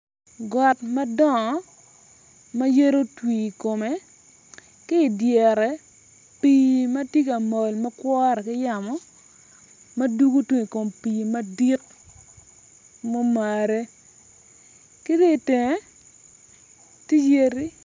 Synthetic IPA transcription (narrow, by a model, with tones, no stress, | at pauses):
ɡɔ˨tma˦dɔ˦ŋɔ˨ | ma˦je˦ɾo˦twiː˨ko˨me˨ | kɪ˦˨djɛ˨ɾɛ˨ | pi˦ma˦ti˦ka˨mo˨lma˦kwɔ˦ɾɛ˨kɪ˦ja˨mɔ˦ | mɐ˦du˦ɡo˦twi˦ŋi˨ko˨mpi˨ma˦di˦k | mo˦ma˨ɾe˦ | ki˦de˦˨te˨ŋe˦ | ti˦je˦ɾi˦